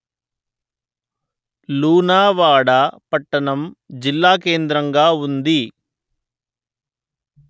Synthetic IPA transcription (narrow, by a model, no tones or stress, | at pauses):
luːnaːʋaːɽɐpɐʈːɐɳɐmd͡ʒilːaːke̞ːnd̪ɾɐŋɡaːund̪i